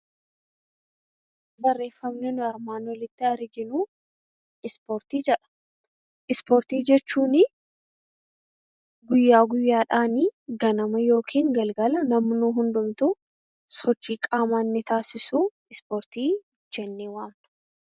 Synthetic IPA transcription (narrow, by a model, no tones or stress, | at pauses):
bɐrːe̞ːfːɐmnɛnʊɐɾmaːnɔlɪt̪ːɪɐɾɡɪnu | ɪspɔːɾt̪iːd͡ʒɛᶑɐ̥ | ʔɪspɔːɾt̪iːd͡ʒɛt͡ʃːuːnɪ | ɡʊjːaːɡʊjːaːᶑaːniːɡɐnɐmɐjo̞ːkʰiːŋɡɐlɡɐlɐnɐmnuːɦʊnd̪ʊmt̪u | sɔt͡ʃːiːkʼaːmaːnːɪt̪ʰaːsɪsuː | ɪspoːɾt̪iː | d͡ʒɛnːiːwaːm